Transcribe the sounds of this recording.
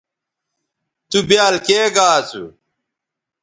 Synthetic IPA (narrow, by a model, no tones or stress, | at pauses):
t̪ubjaːlkeːɡaːt͡sṵ